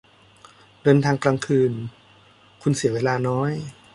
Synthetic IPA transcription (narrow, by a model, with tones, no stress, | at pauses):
dɤː˧nt̪ʰaː˧ŋklaː˧ŋkʰɯː˧n | kʰu˧nsi˨˩˦weː˧laː˧nɔː˦˥j